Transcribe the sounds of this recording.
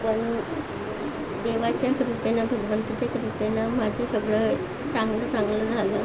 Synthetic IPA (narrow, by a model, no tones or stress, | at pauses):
pəɳ | d̪eʋat͡ɕjakɾupenabʱəɡʋənt̪ət͡ɕjakɾupenamad͡ʑʱjasəɡɭə | sãŋɡlət͡sãŋɡləd͡zʱalə